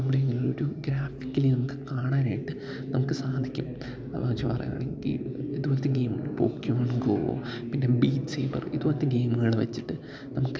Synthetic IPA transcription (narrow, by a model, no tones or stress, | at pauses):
nɐmːuɽeeŋɡililoɾuɡɾaːfi̥kʲːilinɐmukːɨ̥kaːɳaːnaːjiʈːɨ | nɐmukːɨsaːd̪ʱikʲːum | ɐla̰ːʋɐt͡ɕːupɐrɐ̰ja̰ːɳḛŋɡḭiðuʋolɐt̪ːeɡe̞ːmɨɣɐɭpo̰ːkjumɐɳɡoo̰pinːe̞biːtseːpɐ̰riðuʋolɐt̪ːɨɡe̞ːmɨɣɐɭʋɐ̰t͡ɕːiʈːɨ | nɐmukːɨ